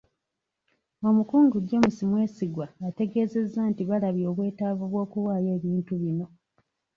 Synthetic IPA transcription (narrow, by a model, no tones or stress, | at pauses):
o̞mukuːŋɡuɟo̞ːmusimwe̞ːsiɡwaate̞ɡe̞ːze̞zːaːntiβalaβjo̞ːβwe̞ːtaːvuβwo̞ːkuwaːje̞ːβiːntuβino̞